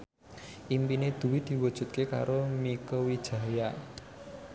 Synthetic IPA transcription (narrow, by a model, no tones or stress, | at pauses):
ʔimpined̪̥ṳwid̪̥i̤wud̥ʒ̥ṳt̪̚keka̰ɾomikəwid̥ʒ̥a̤ja